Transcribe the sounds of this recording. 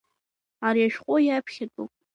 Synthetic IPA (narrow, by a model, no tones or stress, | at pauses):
aɾiaʃᶣqʷʼojapʰχʲɪtʼṵpʼ